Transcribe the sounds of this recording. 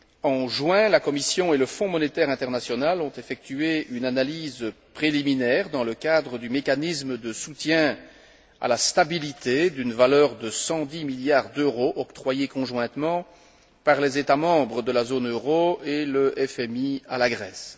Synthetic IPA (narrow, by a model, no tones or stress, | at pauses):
ɑ̃ʒwɛ̃lakɔmisjɔ̃eləfɔ̃mɔnet̪ɛʁɛ̃t̪ɛʁnasjɔnalɔ̃t̪efɛk̚t̪yeynanalizpχeliminɛːʁd̪ɑ̃ləkad̪ʁəd̪ymekanisməd̪əsut̪jɛ̃ | a̰last̪abilit̪ed̪ynvalœʁd̪əsɑ̃d̪imiljaʁd̪øʁoʔɔkt̪χwajekɔ̃ʒwɛ̃t̪mɑ̃ | paʁlɛzet̪amɑ̃bʁəd̪əlazonøʁoeləʔɛfɛmia̰laɡʁɛs